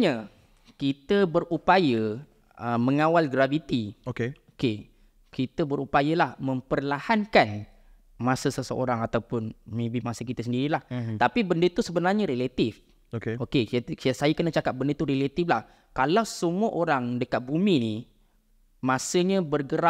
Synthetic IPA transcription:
ɲə | kit̪əbərupajə | əməŋawalɡɾavit̪iokeoke | kit̪əbəɾupajəlahmə̃mpərlahankan | mãsəsəsəʔo̰ɾaŋat̪awpʊnmẽbimãsəkit̪əsəndiɾilaht̪apibəndət̪usəbənarɲəɾelat̪if | okeokesajakənat͡ʃakap̚bəndət̪uɾelat̪iflah | kalawsəmuəʔoɾaŋdəkat̪̚bumĩni | mãsəɲãbərɡəɾa

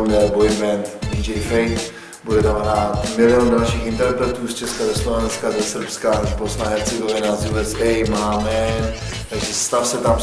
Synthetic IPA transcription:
mdɛbojvɛnt̪did͡ʒɛjfɛjt̪ | budɛt̪amɦɾaːt̪mɪlɪondalʃiːxɪnt̪ɛɾpɾɛt̪uːst͡ʃɛskazɛslovɛnskadɛsr̩pskazbosnaɦɛt͡sɛɡovɪnazjuɛsɛjmaːmɛ | t̪aɡʒɛst̪afsɛt̪am

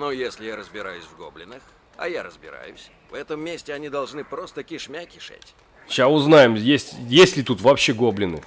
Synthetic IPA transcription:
nojesʲlʲɪjaɾəzbʲɪɾajʊsʲvɡoblʲɪnɨx | ɐ̰jaɾəzbʲɪɾa̰jʊsʲ | vɛt̪əmːʲesʲtʲɪɐnʲid̪ɐlˠʐnɨpɾo̞st̪əkʲɪʂmʲakʲɪ̥ʂa̰tʲ | ɕasʊznajɪmjesʲtʲjesʲlʲɪt̪ut̪vɐpɕːeɡoblʲɪnɨ̰

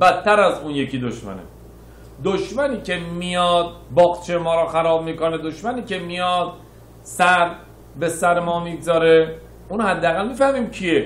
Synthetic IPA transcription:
bæt̪ʰːæɾæzuːnje̞cʰiːd̪oʃmæ̰nḛ | d̪oʃmæniːcʰe̞mijɒːd̪̚bɒːɣt͡ʃʰejemɒːɾɒːxæɾɒːb̚miːkoned̪oʃmæniːcʰe̞mijɒːd̪̥ | sæɾ | besæɾemɒːmiːɡzɒːɾe̞ | uːnhæd̪ːeæɣælmifæhmiːmcʰie

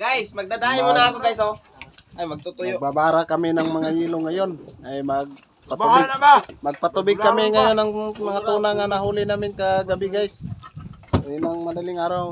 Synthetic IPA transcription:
ɡ̥ajsmɐɡ̚d̪ad̪aːhɪmonaakoɡajso | ʔajmɐɡ̚t̪ut̪ʊjobabaːɾakɐmɪnaŋmɐŋaʔiːloŋajonʔajmaɡ̚ | patɪɡnamɐɡ̚pat̪ʊbɪɡkːɐmɪŋajonaŋmɐŋat̪uːnaŋanaɦuːlɪnaːmɪnkaɡabɪɡajs | ɪnaŋmad̪alɪŋaːɾaw

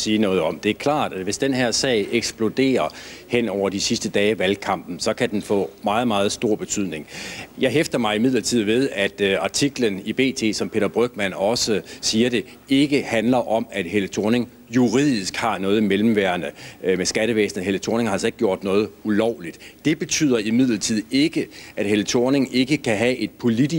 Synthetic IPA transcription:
siːnɔ̽ːð̞ˠɒ̽md̥e̝æɐkʰlɑ̰̈ːd̥ædʋe̝sd̥enɦeɐ̰sɛ̰ɪʔeɡ̥sb̥lo̝d̥e̝̰ːɐhen̰ɒʊ̰ɐd̥isisd̥əd̥ɛːʋælkʰɑ̈m̰b̥n̩sɒ̽kʰæd̥enfɔ̰̽ːmɑ̈ːð̩ˠmɑ̈ːð̞̩ˠsd̥o̝ɐ̰b̥e̝t͡sʰyð̰ˠne̝ŋjɑ̈ɪɦefd̥ɐmɑ̈ɪimið̰ˠlɐt͡sʰið̞̰ˠʋe̝ð̞ˠæd̥ɑ̈t͡sʰiɡ̥lənib̥e̝̰ːt͡sʰe̝̰ːsɒ̽mpʰe̝̰ːd̥ɐb̥ʁœɡ̥mænɒ̽səsiːɐɾe̝ | e̝ɡ̥əhænlɐʔɒ̽mæd̥ɦelət͡sʰo̝ne̝ŋ | juʁið̰ˠisɡ̥hɑ̈nɔ̽ːð̩ˠimelm̩ʋæɐnəmesɡ̥æɾəʋḛːsnð̩ˠɦelət͡sʰone̝ŋhɑlseɡ̥̚ɡjo̝ɐ̰d̥nɔ̽ːð̞ˠulɒʊ̰lid̥d̥e̝b̥e̝t͡sʰy̰ð̰ˠɐimið̞̰ˠlɐt͡sʰið̰ˠe̝ɡ̥əʔæd̥helət͡sʰo̝ːne̝ŋe̝ɡ̥əkʰæɦæʔe̝d̥̚pʰo̝lid̥i

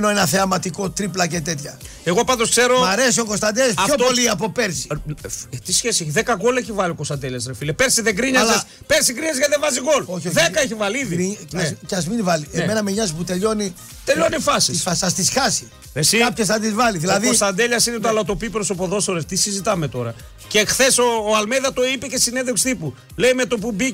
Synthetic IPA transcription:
noenɐθeɐmɐt̪iko̞t̪ɾiplɐce̞t̪e̞t̪çɐ̰ | eɣo̞pɐnd̪oskse̞ɾomɐɾe̞sio̞ko̞st̪ɐnd̪elɐs̬ço̞ppo̞liɐp̬o̞peɾsi̥ | t̪isçesieçiðekɐɣoleçivɐliokost̪ɐnd̪e̞ʎɐsɾefilepeɾsiðeɡɾiɲɐzlɐs | peɾsiɡɾiɲɐzʝɐðevɐziɣo̞loçoðekɐeçivɐliiðiicɐzminvɐliemenɐmeɲɐs̬put̪e̞ʎo̞ni | t̪eʎo̞nifɐsiisfɐsɐst̪isxɐsi | esiɐpçɐsθɐd̪izvɐliðilɐðiost̪ɐnd̪eʎɐsinet̪̬oɐlɐt̪o̞pipɾosopo̞ðo̞soɾeft̪isizit̪ɐmet̪o̞ɾɐ | cexθe̞soːɐlmeðɐt̪o̞ipece̞sineðekst̪ipu | leime̞t̪o̞p̬ubi

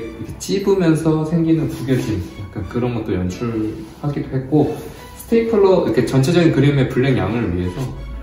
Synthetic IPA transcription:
ikʰet͡ɕ͈ibɯmjʌnsʰʌsʰe̞ŋɡinɯnpuɡjʌd͡ʑinɯik͈ankɯɾʌnɡʌt͈̚ojʌnt͡ɕʰuɭhaɡidoɦe̞t̚k͈o | sʰɯ̥tʰeipʰɯɭːʌiɾʌkʰe̞t͡ɕʌnt͡ɕʰe̞d͡ʑʌɡinkɯɾime̞puɭːenjaŋɯɭɥiɦe̞sʰʌ

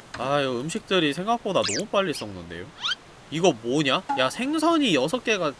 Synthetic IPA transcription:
ajʌɯmɕʰik̚t͈ɯɾisʰeŋɡak̚p͈odanʌmup͈aʎːis͈ʌnːɯnde̞̰jo | iɡʌmoɲajasʰe̞ŋsʰʌɲijʌsʰʌk͈e̞ɡa

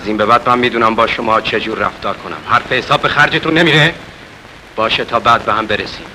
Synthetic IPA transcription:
æziːmbe̞bæːd̪̚mæmːiːd̪uːnæmbɒːʃomɒːt͡ʃʰe̞d͡ʒuːɾːæ̰ft̪ɒːɾkʰo̞næ̰mhæɾfehesɒːb̚be̞xæɾd͡ʒet̪ʰunːemiːɾe | b̥ɒːʃet̪ʰɒːbæːd̪̚behæmbe̞ɾesiːm

